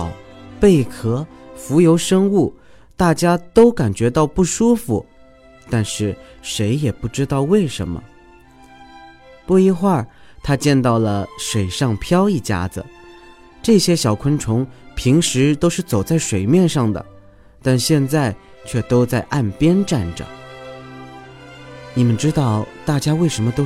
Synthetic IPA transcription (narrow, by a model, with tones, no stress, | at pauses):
ʊpe˥˩ɪkʰɤ˧˥fu˧˥jo˧˥ʊʂɤ˥ŋu˥˩ | t̪a˥˩t͡ɕja˥t̪o˥ʊka˨˩nt͡ɕɥɛ˧˥t̪ɑ˥˧ʊpu˥˩ʂu˥fu˨˩ | t̪a˥˧nʂɻ̩˥˩ʂe˧˥ɪjɛ˨˩pu˥˩ʈ͡ʂɻ̩˥t̪ɑ˥˧ʊwe˥˩ɪʂə̰˧˥nmə̰˧ | pu˥˩i˥˧xwa˥˩t̪ʰa˥t͡ɕjɛ˥˧nt̪ɑ˥˩ʊlə˩ʂwe˨˩ɪʂɑ˥˩ŋpʰjɑ˥ʊi˥˩t͡ɕja̰˥d͡z̩˩ | ʈ͡ʂɤ˥˩ɕjɛ˥ɕjɑ˨˩ʊkʰwə˥nʈ͡ʂʰʊ˧˥ŋpʰi˧˥ŋʂɻ̩˧˥t̪o˥ʊʂɻ̩˥˩t͡so˨˩ʊt͡sa˥˩ɪʂwe˨˩ɪmjɛ˥˧nʂɑ˥˩ŋd̪ə̰˩ | t̪a˥˧nɕjɛ˥˧nt͡sa˥˧ɪ | t͡ɕʰɥɛ˥˩t̪o˥ʊt͡sa˥˧ɪʔa˥˩npjɛ˥nʈ͡ʂa˥˩nʈ͡ʂə̰˨˩ | ni˨˩mə˧˦nʈ͡ʂɻ̩˥t̪ɑ˥˩ʊt̪a˥˩t͡ɕja˥we˥˩ɪʂə˧˥nmə˧t̪o˥